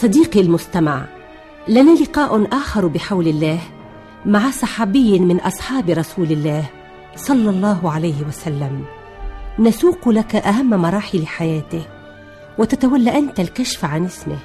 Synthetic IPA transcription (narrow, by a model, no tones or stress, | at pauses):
sˤɑd̪iːqlmʊst̪ama̰ʕ | lanalɪqaːʔʊnʔaːxɑɾˤbɪħawlɪlːaːh | maʕasˤɑħɑːbɪjːmɪnʔɑsˤħɑːbɾˤɑsuːlɪlːaːh | sˤɑlːɑlˤːɑːɦʕalajhɪwasalːam | nasuːqlakaʔaɦamːmɑɾˤɑːħɪlħajaːt̪ɪh | wɪt̪at̪awalːaʔant̪alkaʃfaʕanʔɪsmɪ̰h